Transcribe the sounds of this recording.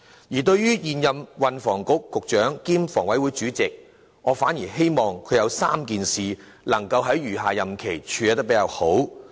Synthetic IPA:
jiː˨˩t̪ɵ˧ɥjyː˥jiː˨njɐ˨mwɐ˨nfɔː˨˩ŋkʊ˨˥kːʊ˨k̚t͡ʃœː˨˥ŋkiː˥mfɔː˨˩ŋwɐ˨˥jwuː˨˥jt͡ʃyː˨˥t͡sɪ˨k̚ | ŋɔː˨˧faː˨˥njiː˨˩ɦe˥jmɔː˨ŋkʰɵ˨˧jɐ˨˧wsaː˥mkiː˨nsiː˨ | lɐ˨˩ŋkɐ˧wɦɐ˨˥jɥyː˨˩ɦaː˨jɐ˨mkʰe˨˩jt͡ʃʰyː˨˧jɛ˨˧t̪ɐ˥kpe˨˥jaː˨˧who˨˥w

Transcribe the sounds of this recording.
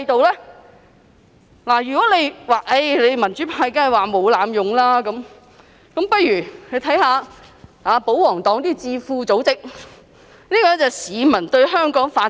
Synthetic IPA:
jt̪o˨wlɛː˥ | laː˨˩jyː˨˩kɔː˨˥le˨˧jwaː˨˧ʔe˧jle˨˧jmɐ˨˩nt͡ʃy˨˥pʰaː˧jkːɐ˨˩waː˨mo˨˧wlaː˨˧mjʊ˨ŋlaː˥kɐ˨˥m | kɐ˨˦˥mpɐ˥t̚jyː˨˩hɵ˧t̪ʰɐ˨˥jhaː˨˧aː˨˧po˨˥wwɔː˨˩ŋt̪ɔː˨˥ŋt̪iː˥t͡siː˧fuː˧t͡so˨˥wt͡sɪ˥k̚ | niː˥kɔː˧˥t͡sɛː˨˧siː˨˧mɐ˨˩nt̪ɵ˧ɥɦœː˥ŋkɔː˨˥ŋfaː˧

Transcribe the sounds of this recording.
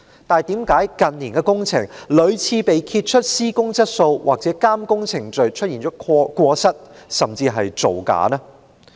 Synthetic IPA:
t̪aː˨˩jt̪iː˨˥mkaː˨˥jkɐ˨nliː˨˩nkɛː˧kʊ˥ŋt͡sʰɪ˨˩ŋlɵ˨˧ɥt͡sʰiː˨˧pe˨jkʰiː˧t̚t͡ʃʰɵ˥t̚siː˥kʊ˥ŋt͡sɐ˥t̚so˧wwaː˨k̚t͡sɛː˨˥kaː˥mkʊ˥ŋt͡sʰɪ˨˩ŋt͡ʃɵ˨ɥt͡ʃʰt̚jiː˨˩nt͡ʃɔː˨˦˥kʷɔː˧sɐ˥t̚sɐ˨mt͡siː˧ɦɐ˨jt͡so˨wka̰ː˨˥nɛ˥

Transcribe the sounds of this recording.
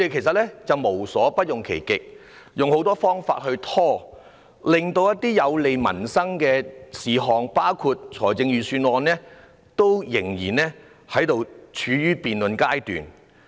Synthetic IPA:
d̪e˨jkʰe˨˩js̬ɐ˨t̚lɛː˥t͡sɐ˨wmo˨˩wsɔː˨˥pɐ˥t̚jʊ˨ŋkʰḛ˨˩jkɪ˨k̚ | jʊ˨˧ŋho˨˥wt̪ɔː˥fɔː˥ŋfa̰ː˧t̚hɵ˧ɥt̪ʰɔː˥ | lɪ˨ŋt̪o˧wjɐ˥t̪̚iː˥jɐ˨˧wle˨jmɐ̰˨˩nsɐ˥ŋkɛː˧siː˨ɦɔː˨ŋpaː˥wkʰuː˧t̚t͡ʃʰɔː˨˩jt͡sɪ˧ŋjyː˨syː˧nwɔː˧nlɛː˥ | t̪o˥wjɪ˨˩ŋjiː˨˩nlɛː˥ | hɐ˨˥jt̪o˨wt͡ʃʰyː˨˥ɥyː˥piː˨nlɵ˨˧nkaː˥jt̪y̰ː˨n

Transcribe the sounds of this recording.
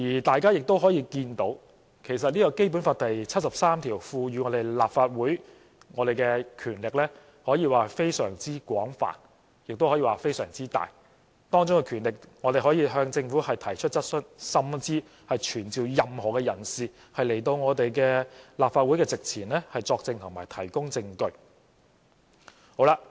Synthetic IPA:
jiː˨˩t̪aː˨jkaː˥jɪ˨k̚t̪o˥wɦɔː˨˥jiː˧kiː˧nt̪o˨˥w | kʰe˨˩js̬ɐ˨t̚liː˥kɔ˧wke˥jp̬uː˨˥nfaː˧t̚t̪ɐ˨jt͡sʰɐ˥t̚sɐ˨p̚saː˥mt̪ʰiː˨˩wfuː˧jyː˨˧ŋɔː˨˧t̪e˨˩jlaː˨p̚faː˧t̚wuː˨˥j | ŋɔː˨˧ɾe˨˩jkɛː˧kʰyː˨˩nlɪ˨k̚lɛː˥ | hɔː˨˥jiː˨˧waː˨˩fe˥jsœ̰ː˨˩ŋt͡siː˥kʷwɔ̰ː˨˥ŋfa̰ː˨˩n | jɪ˨k̚t̪o˥whɔ˨˥jiː˨˧waː˨˩fe˥jsœ̰ː˨˩ŋt͡siː˥t̪a̰ː˨j | t̪ɔː˥ŋt͡sʊ˥ŋkɛ˧kʰyː˨˩nlɪ˨k̚ŋɔː˨˧t̪e˨jɦɔː˨˥jiː˧ɦœː˧ŋt͡sɪ˧ŋfu˨˥hɐ˨jt̪ʰɐ˨˩jt͡ʃʰɵ˥t̚t͡sɐ˥t̚sɵ˥nsɐ˥mt͡siː˥ | hɐ˨jt͡ʃʰyː˨˩nt͡siː˨wjɐ˨mhɔː˨˩kɛː˧jɐ˨˩nsiː˨ | hɐ˨jle˨˩jt̪o˧wŋɔː˨˧t̪e˨jkɛː˧laː˨pfaː˧t̚wu˨˥jkɛː˧t͡sɪ˨k̚t͡sʰiː˨˩nlɛː˥hɐ˨jt͡sɔː˧k̚t͡sɪ˧ŋt̪ʰʊ˨ŋmaː˨˩jt̪ʰɐ˨˩jkʊ˥ŋt͡sɪ˧ŋkɵ˧ɥ | ho˨˥wla˧

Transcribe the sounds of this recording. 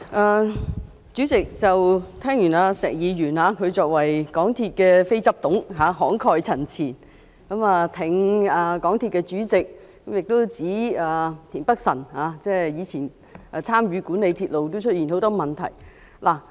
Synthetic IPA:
ʔaː˧ | t͡ʃyː˨˥t͡sɪ˨k̚t͡sɐ˨wt̪ʰɛː˥ŋjyː˨˩naː˧sɛː˨˩ŋjiː˨˧ɥyː˨˩naː˧kʰɵ˨˧ɥt͡sɔː˨k̚wɐ˨˩jkɔː˨˥ŋt̪ʰiː˧t̚kɛː˧fe˥jt͡sɐ˥p̚t̪ʊ˨˥ŋɦaː˨˧ɦɔː˨˥ŋkʰɔː˧jt͡sʰɐ˨˩nt͡sʰiː˨˩n | kɐ˨˥maː˨˧t̪ʰɪ˨˩ŋaː˨˧kɔː˨˥ŋt̪ʰiː˧t̚kɛ˧t͡ʃyː˨˥t͡sɪ˨k̚ | kɐ˨˥mjɪ˨k̚t̪o˥wt͡siː˨˥aː˨˧t̪ʰiː˨˩npɐ˥k̚sɐ˨˩nhaː˨˧t͡sɛː˥jiː˨˧t͡sʰiː˨˩n | ɐ˧t͡sʰaː˥mjyː˨˧kuː˨˥ne˨˧jt̪ʰiː˧t̚lo˨˧wt̪o˥wt͡ʃʰɵ˥t̚jiː˨˩nho˨˥wt̪ɔː˥mɐ˨nt̪ʰɐ̰˨˩j | la˨˩

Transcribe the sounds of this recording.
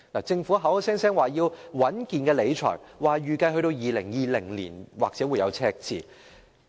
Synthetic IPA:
naː˨˩t͡sɪ˧ŋfuː˨˥ɦɐ˨˥wsɛː˥ŋsɛː˥ŋwaː˨jiː˧wwɐ˨˥nkiː˨nkɛː˧le˨˧jt͡ʃʰɔ̰ː˨˩jwaː˨jyː˨kɐ˧jɦɵ˧ɥt̪o˧wjiː˨lɪ˨˩ŋjiː˨˧lɪ˨˩ŋlḭː˨˩nwaː˨k̚t͡sɛ˨˥wu˨jɐ˨˧wt͡sʰɛː˧k̚t͡sʰḭː˨˩

